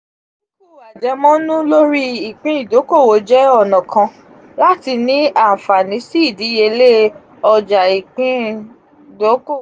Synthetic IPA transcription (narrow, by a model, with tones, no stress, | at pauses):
u˦˨wa˨d͡ʒɛ˧˦mɔ̃˦nũ˦lo˦ɾi˦i˨k͡pĩ˨˦i˦˨do˨˦ko˦˨wo˨˦d͡ʒɛ˦ɔ˦˨nɔ̃˨kʰã˧ | la˦ti˧nĩ˦a˦˨fa˨nĩ˨˦si˦i˦˨di˨˦je˧le˦ | ɔ˧d͡ʒa˨i˨k͡pĩ˦ | do˨˦ko˦˨